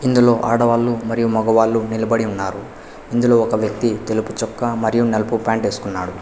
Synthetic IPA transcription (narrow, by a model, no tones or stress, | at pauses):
ind̪ulo̞ːʔaːɽɐʋaːlːumɐɾijumɔɡɐʋaːlːunilɐbɐɽiunːaːɾu | ind̪ulo̞ːɔkɐʋjɐk̚t̪it̪e̞luput͡ʃɔkːɐmɐɾijunelɐpupaːɳʈe̞ːsu̥kunːaːɽu